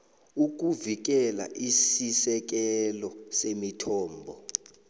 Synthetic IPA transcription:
uk̬uvik̬ɛla̰ʔisisɛk̬ɛlɔsemitʰɔːmbʱɔ

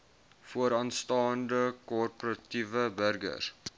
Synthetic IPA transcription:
fuəɾɑːnstɑːndəkɔrpoɾɐtivəbərɡə̰r

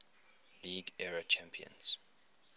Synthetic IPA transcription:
liːɡɛɹət͡ʃʰæ̃mpʰiə̰̃nz̥

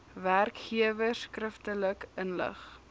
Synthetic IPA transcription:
værkχiəvəskrəftələkənlə̰χ

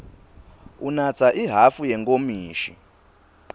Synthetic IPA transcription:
unat͡sʰaʔiɦafujɛŋkomiːʃḭ

